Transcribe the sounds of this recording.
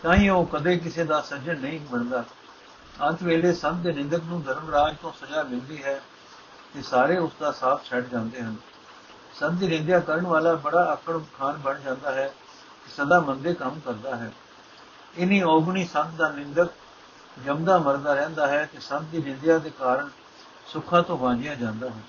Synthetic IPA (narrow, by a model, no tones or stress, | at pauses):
t̪ãːĩːoːkəd̪eːk̬ɪseːd̪aːsəd͡ʒənəĩːməɾd̪aː | ənt̪ʰʋeːleːsə̃nt̪̚d̪eːnɪ̃nd̪əknũːd̪ʱəɾəmɾaːd͡ʒt̪õːsəd͡ʒaːmɪ̃nd̪iːɦɛː | t̪eːsaːɾeːʊsd̪aːsaːt̪ʰt͡ʃʰɛʈd͡ʒãːnd̪eːɦən | sə̃nt̪̚iːɾɪ̃nd̪jaːkəɾəɳʋaːlaːbəɽaːʔəkəɽkʰaːnbəɳd͡ʒãːnd̪aːɦɛː | kɪsəd̪aːmənd̪eːkəmkəɾd̪aːɦɛː | ɪniːɔːɡɳiːsə̃nt̪ʰd̪aːnɪnd̪ək̚ | d͡ʒəmd̪aːməɾd̪aːɾɛ̃ːnd̪aːɦɛːk̪esənt̪̚d̪iːɾɪ̃nd̪ɪjaːd̪eːkaːɾəɳ | sʊkʰãːt̪õːʋãːd͡ʒɪjãːd͡ʒãːnd̪aːɦɛː